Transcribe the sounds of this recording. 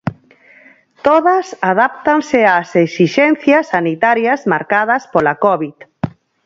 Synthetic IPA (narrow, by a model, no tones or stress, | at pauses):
t̪oðɐsaðap̚t̪aŋsɪaseksiʃɛnθjasːanit̪aɾjazmaɾkað̞ɐspolakɔβið